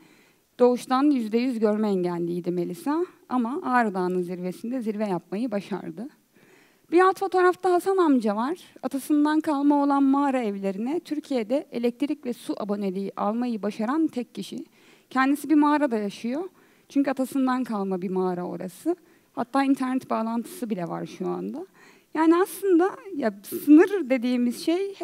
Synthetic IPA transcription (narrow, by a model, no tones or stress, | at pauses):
d̪̥o̞uʃt̪ʰanjyzd̪ɛjyzɟøɾmɛɛɲɟælʲːiːd̪ime̞lʲisa | amaʔaːɾad̪aːnɯnziɾve̞sind̪ɛziɾvɛjap̚majɯbaʃa̰ɾd̪ɯ | b̥iɾalˠt̪fo̞t̪ʰo̞ːɾaft̪ʰaɦasanamd͡ʒavaɾ̥at̪ʰasɯnd̪ankʰalˠmao̞lˠanmaːɾaɛvlʲe̞ɾinɛt̪ʰyɾcʰijed̪ɛelʲɛc̚t̪ʰiɾicvɛsuʔabo̞ne̞lʲiʔa̰lˠmajɯbaʃaɾant̪ʰɛcʰːiʃi | cʰɛnd̪isibimaːɾad̪ajaʃɯjo̞ | t͡ʃʰyɲcyat̪ʰasɯnd̪ankʰalˠmabimaːɾao̰ɾa̰sɯ | hat̪ʰːaːint̪ʰæɾnɛt̪baːlˠant̪ʰɯ̥sɯbilʲɛva̰ɾʃua̰nd̪a | jaːniaslˠɯnd̪ajasɯnɯɾd̪e̞d̪iːmizʃej